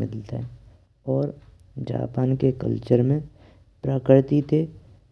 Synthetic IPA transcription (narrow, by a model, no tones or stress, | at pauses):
ɪd̪lt̪ɛ̰ | ɔːɾ | d͡ʒa̰ːpaːnkekə̰lt͡ʃəɾmẽ | pɾəkəɾt̪it̪ʰe